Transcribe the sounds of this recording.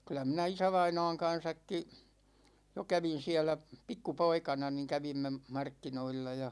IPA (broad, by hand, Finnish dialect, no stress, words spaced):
kylˑæ minæ isæʋɑinɑ̝ːŋ kɑn̞sɑkːi jo kæʋin̞ siælæ pikːupoikɑnɑ ni kæʋimːe mɑrkːinoilːɑ jɑ